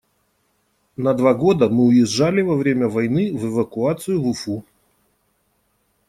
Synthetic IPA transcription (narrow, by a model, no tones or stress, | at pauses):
nɐd̪vaɡo̞d̪əmɨʊjɪʐːalʲɪvɐvɾʲemʲəvɐjnɨvəvəkʊat̪sɨjʊvʊfu